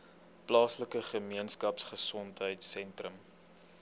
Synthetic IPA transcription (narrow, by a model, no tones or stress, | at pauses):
plɑːsləkəχəmiənskɐpsχəsɔntɦəjtsɛntrəm